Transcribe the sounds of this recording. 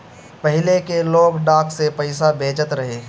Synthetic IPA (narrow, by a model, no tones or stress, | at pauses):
pəɦɪlekeloːɡɖaːkʰsepəɪsabʱeːd͡ʒət̪ɾɐɦeː